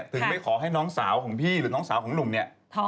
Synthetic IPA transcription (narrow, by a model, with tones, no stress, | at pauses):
t̪ʰɯ˨˦ŋmpa˧˩jkʰɔː˨˩˦ɦa˥˩jnɔː˦˥ŋsaː˩˦wkʰɔː˩˦ŋpʰiː˥˩ɾɯː˩˦nɔː˦˥ŋsaː˩˦wkɔː˩˦ŋnu˨˩mni˥˩ɐ˧